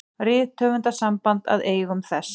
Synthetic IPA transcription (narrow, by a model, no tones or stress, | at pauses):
rɪːt̪ʰːœːvʏnt̪asampant̪a̰ðeːjɣʏmθɛs